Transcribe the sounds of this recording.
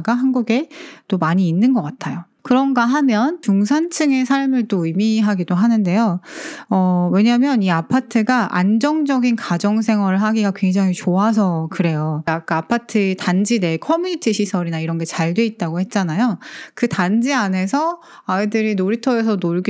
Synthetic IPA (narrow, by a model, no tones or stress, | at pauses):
ɡaɦanɡuɡe̞t͈omaɲiːnːɯnɡʌk͈atʰajo | kɯɾʌnɡaɦamjʌnt͡ɕuŋsʰant͡ɕʰɯŋe̞sʰaɭmɯɭt͈oimiɦaɡidoɦanɯnde̞joʌwe̞ɲamjʌniapʰatʰɯɡaʔa̰nd͡ʑʌŋd͡ʑʌɡinkad͡ʑʌŋs̬ʰe̞ŋɦwʌɾɯɭɦaɡiɡakwe̞ŋd͡ʑaŋit͡ɕoas̬ʰʌkɯɾe̞joak͈aapʰatʰɯtand͡ʑide̞kʰʌmjuɲitʰiɕʰisʰʌɾinaiɾʌnɡe̞t͡ɕaɭdwe̞it̚t͈aɡohe̞t̚t͡ɕ͈anajokɯtand͡ʑiane̞sʰʌ | aedɯɾinoɾitʰʌes̬ʰʌnoɭɡi